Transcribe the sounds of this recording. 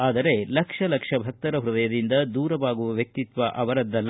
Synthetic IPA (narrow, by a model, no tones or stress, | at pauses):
aːd̪ɐɾe̞lɐkʂɐlɐkʂɐbʱɐk̚t̪ɐɾɐɦɾud̪ɐjɐd̪ind̪ɐd̪uːɾɐʋaːɡuʋɐʋjɐk̚t̪it̪ʋɐʔɐʋɐɾɐd̪ːɐlː